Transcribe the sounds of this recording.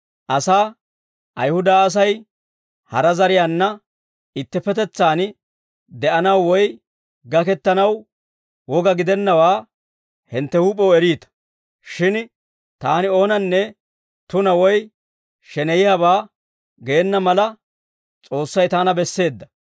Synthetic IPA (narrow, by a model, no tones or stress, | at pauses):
ʔɐsaː | ʔɐjhʊd̪aːs̬ɐj | hɐɾɐzɐɾɪjaːnːɐ | ɪt̪ːɛpɛt̪ɛt͡sːaːn | d̪ɛʔɐnɐwːɔj | ɡɐkɛt̪ːɐnɐw | wɔɡɐɡɪd̪ɛnːɐwaː | hɪnt̪ːɛhuːpʼːɔwɛɾiːt̪ɐ̥ | ʃɪn | t̪aːnɪo̞ːnɐnːɛ | t̪ʊnɐwɔj | ʃɛnɛjɪjaβaː | ɡeːnːɐmɐlɐ | t͡sʼo̞ːsːɐjt̪aːnɐbɛsːe̞ːd̪ːɐ̥